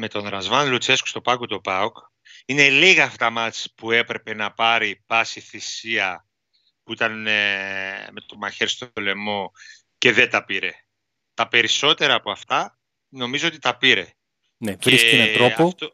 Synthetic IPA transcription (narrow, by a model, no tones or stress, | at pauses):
me̞t̪o̞nɾɐzmɐnlut͡sesko̥st̪o̞pɐkut̪o̞pɐok | ine̞liɣɐːft̪ɐmɐt͡spue̞pɾe̞pe̞nɐpɐɾipɐsiθisiɐ | puit̪ɐn | met̪omɐçeɾst̪ole̞mo̞ | ce̞ðet̪ɐpiɾe̞ | t̪ɐpe̞ɾiso̞t̪e̞ɾɐːpoɐft̪ɐ | no̞mizoot̪it̪ɐpiɾe̞ | nevɾeisnɐɾooft̪o